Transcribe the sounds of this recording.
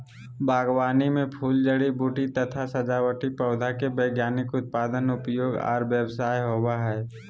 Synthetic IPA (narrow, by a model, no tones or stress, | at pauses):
bʱaːɡwaːnimẽpʰuːld͡ʒəɽibuːʈit̪ət̪ʰasəd͡ʒaːwəʈipəʊd̪ʱakebəːɡjaːnɪkʊt̪̚paːd̪ənʊpjoːɡa̰ːɾʋjəbsaːjɦoːwaɦɛː